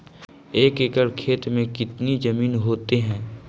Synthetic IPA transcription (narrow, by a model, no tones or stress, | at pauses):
eːkekəɽkʰeːt̪mẽkɪt̪nid͡ʒɐmiːnɦoːt̪eɦɛ̃ː